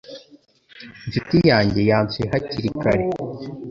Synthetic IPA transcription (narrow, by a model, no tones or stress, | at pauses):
nzitijaːɲɟe̞jaːnt͡seɦaciɾikaɾe